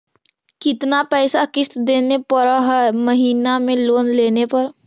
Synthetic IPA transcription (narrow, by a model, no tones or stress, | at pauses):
kɪt̪napɛːsakɪst̪d̪eːnepəɾɦɛməɦiːnamẽloːnleːnepəɾ